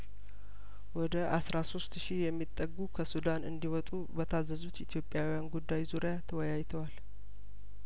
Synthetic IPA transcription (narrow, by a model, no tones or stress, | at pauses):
wɔd̪əʔasɾaso̞st̪ʃihjɛmːit̪ʼːəɡːukʰəsud̪anɨ̰nd̪iwɔt̪ʼubət̪ʰazːəzut̪it̪ʰijo̞pʼjawijanɡud̪ːajzuɾjat̪ʰəwɔjajt̪ʰəwal